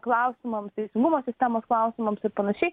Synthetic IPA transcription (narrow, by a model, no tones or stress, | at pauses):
klˠɐʊsʲɪmɐmst̪ʲɛɪsʲɪŋɡumoːsʲɪsʲt̪ʲæmoːsklˠɐʊsʲɪmɐmsɪɾpɐnɐʃʲɛɪ